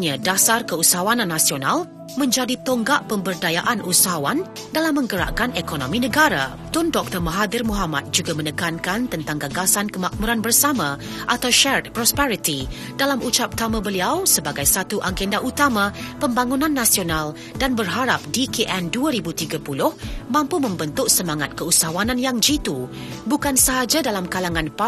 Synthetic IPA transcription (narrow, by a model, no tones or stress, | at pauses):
ɲãdasarkəusaɦawananːãsiona̰l | mə̃ɲd͡ʒadit̪oŋɡaʔpəmbərdajaʔanusaɦawan | dalamːə̃ŋɡəɾa̰ʔkanekonõmĩnə̃ɡaɾa̰ | t̪ʊndɔk̚t̪ərməɦad̪ɪrmũɦama̰t̪̚d͡ʒuɡamə̃nəkankant̪ənt̪aŋɡaɡasankəmak̚muɾanbərsamã | ʔat̪awʃɛrt̪̚pɾɔspɛɾit̪i | dalamut͡ʃap̚t̪amãbəliawsəbaɡajsat̪uʔaɡɛndaʔut̪amãpəmbaŋunãnːasional | danbərɦaɾap̚dikeʔɛnduaɾibut̪iɡapulʊhmãmpumə̃mbənt̪ʊk̚səmaŋat̪̚kəusaɦwananjaŋd͡ʒit̪ubukansəɦad͡ʒadalamkalaŋãnpa